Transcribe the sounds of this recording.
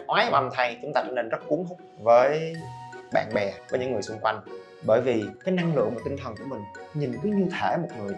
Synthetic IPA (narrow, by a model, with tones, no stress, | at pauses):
ʔwaː˨˦jʔa˧mt̪ʰa˧jt͡ɕʊ˨˦ŋ͡mt̪aː˧t͡ɕɛ̰ː˧˥ne˧nzə˦˥t̚ku˨˦əŋɦʊ˦˥k͡p̚vəː˨˦j | ɓa̰ː˧˨nɓɛ˨˩vəː˨˦ɲɨ̰˧˥ŋɨ˨˩əjsʊ˧ŋ͡mkwa˧jŋ̟ | ɓəː˧˩jvi˨˩kaː˨˦jna˧ŋlɨ̰˧˨əŋmo˨˩t̪ï˧ŋ̟t̪ʰə˨˩nku˧˩əmï˨˩ŋ̟ɲi˨˩nkəː˨˦ɲɨ˧wt̪ʰe˧˩mo˨˩t̚ŋɨ˨˩əj